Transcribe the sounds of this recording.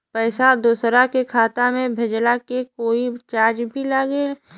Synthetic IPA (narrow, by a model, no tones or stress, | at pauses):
pɛːsad̪oːsɾakekʰaːt̪amẽbʱed͡ʒlakekoːit͡ʃaːɾd͡ʒbʱilaːɡeː